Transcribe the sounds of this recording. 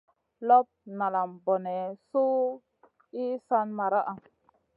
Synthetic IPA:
lɔ˦p̚na˨la˨mbɔ˨nɛ˨su˦ | i˦sa˦nma˨ɾa˦ʔa˨

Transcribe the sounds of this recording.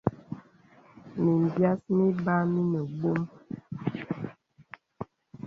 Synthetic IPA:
mi˨m˨bja˦smi˦ba˦mi˦nə˨ɡ͡bo˦m

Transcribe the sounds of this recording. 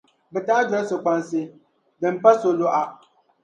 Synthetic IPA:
bɛ˨taː˦d͡ʒɔ˨˦sʊ˨k͡pa˦nsɪ˦ | dɨ˨m˦pa˦so˨lo˦ʔa˨

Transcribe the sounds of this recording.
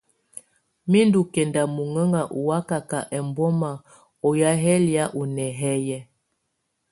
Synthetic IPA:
mi˦ndu˨kɛ˨nda˨mu˨ŋə˦ŋɡa˨ʔu˨wa˦ka˨ka˨ʔɛ˨mbɔ˦ma˨ | ɔ˨ja˦ɦɛ˦lja˦ʔu˨nɛ˨ɦɛ˦jɛ˦

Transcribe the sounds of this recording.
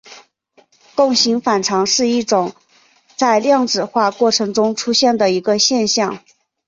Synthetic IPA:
kʊ˥˩ŋɕi˧˥ŋfa˨˩nʈ͡ʂʰɑ˧˥ŋʂɻ̩˥˧i˥˩ʈ͡ʂʊ˨˩˦ŋ | t͡sa˥˧ɪljɑ˥˩ŋʈ͡ʂɻ̩˨˩xwa˥˧kwɔ˥˩ʈ͡ʂʰɤ˧˥ŋʈ͡ʂʊ˥ŋʈ͡ʂʰu˥ɕjɛ˥˩nd̪ə˩i˧˥ɡə˧ɕjɛ˥˧nɕjɑ˥˩ŋ

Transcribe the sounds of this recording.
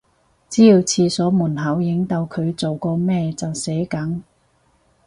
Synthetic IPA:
t͡siː˨˥jiː˧wt͡sʰiː˧sɔː˨˥muː˨˩nɦɐ˨˥wjɪ˨˥ŋt̪ɐ˨˧wkʰɵ˨˧ɥt͡so˨wkɔː˧mɛː˥˧t͡sɐ˨wsɛː˨˥kɐ˨˥ŋ

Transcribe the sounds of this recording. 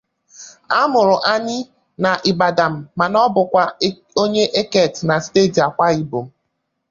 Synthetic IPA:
a˦mʊ˨ɾʊ˨ʔa˦nɪ˦ | na˨ʔi˨ba˨da˨m̩ː˨a˨nɔ˦bʊ˨kʷa˦ | o˦ɲe˦ʔe˦ke˦˨tna˨si̥˦te˦˨di˨a˨kʷa˦i˦bo˨m̩˦

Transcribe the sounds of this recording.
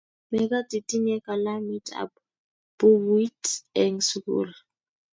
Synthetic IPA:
mɛ˨ka˦ti˨tʼi˦ɲɛ˦ka˨la˦mi˦tʼʰa̰p | b̥u˦witɛŋsukṵːla

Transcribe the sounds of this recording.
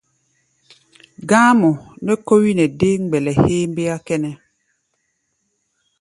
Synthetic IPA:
ɡãː˦mɔ˨nɛ˦ko˦wi˦nɛ˨de˦ŋ˦ɡ͡bɛ˨lɛ˨heː˦mbe˦a˦kɛ˦nɛ˦

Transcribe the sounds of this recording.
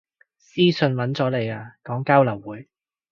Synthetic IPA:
siː˥sɵ˧nwɐ˨˥nt͡sɔː˨˥le˨˧jaː˧kɔː˨˥ŋkaː˥wlɐ˨˩wwuː˨˥j

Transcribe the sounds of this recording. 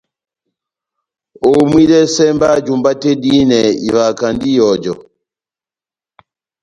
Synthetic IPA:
ɔ˨mwi˦dɛ˦sɛ˦mba˦d͡ʒu˨mba˦tɛ˦di˦nɛ˨ḭ˨βa˨ka˨ndi˦jɔ˨d͡ʒɔ˨

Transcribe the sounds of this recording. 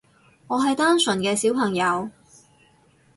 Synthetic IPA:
ŋɔː˨˧ɦɐ˨jt̪aː˥nsɵ˨˩nkɛː˧siː˨˥wpʰɐ˨˩ŋjɐ˨˧w

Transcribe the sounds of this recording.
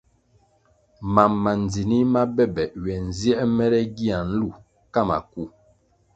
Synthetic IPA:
ma˨mːa˨n˨d͡zi˨ni˦ma˦bɛ˦bɛ˨ɥɛ˨n˨zjɛ˦ʔmɛ˦ɾɛ˦ɡi˦a˨n̩˦lu˦˨ | ka˦˨ma̰˨ku˦

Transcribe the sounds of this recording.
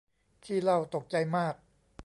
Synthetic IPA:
t̪ʰiː˥˩la˥˩wt̪o˨˩k̚t͡ɕa˧jmaː˥˩k̚

